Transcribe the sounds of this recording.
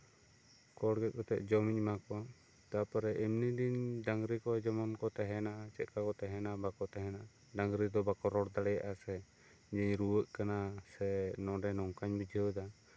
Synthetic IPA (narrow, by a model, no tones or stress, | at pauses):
kɔɽɡɛt̪̚kɔt̪ɛ̰ʔd͡ʒɔmiɲmakɔwa | t̪apaɾɛʔimnid̪indaŋɡɾikɔd͡ʒɔmɔnkɔt̪ɛɦɛnaʔat͡ʃɛt̪̚kakɔt̪ɛɦɛnabakɔt̪ɛɦɛnaʔa | daŋɡɾid̪ɔbakɔɾɔɽd̪aɽɛjaʔasɛ | d͡ʒɛɲɾuwəʔkanasɛnɔ̃ɖɛnɔŋkaɲbid͡ʒʱəwd̪a